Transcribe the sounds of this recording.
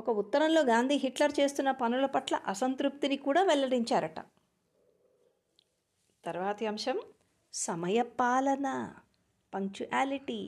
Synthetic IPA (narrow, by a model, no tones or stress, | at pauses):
ɔkɐut̪ːɐɾɐmlo̞ːɡaːnd̪ʱiːɦiʈlɐɾt͡ʃe̞ːst̪unːɐpɐnulɐpɐʈlɐ̰ʔɐsɐnt̪ɾup̚t̪inikuːɽaːʋɛlːɐɽiɲt͡ʃaːɾɐʈɐ̰ | t̪ɐɾʋaːt̪ɐɐmʂɐm | sɐmɐjɐpaːlɐnɐ | pɐŋkt͡ʃuʔaːliʈi